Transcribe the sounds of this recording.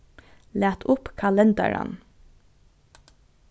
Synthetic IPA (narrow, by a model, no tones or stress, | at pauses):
læːt̪ʰʊpkʰɑlɛnd̪ɑ̰ɹɑ̰n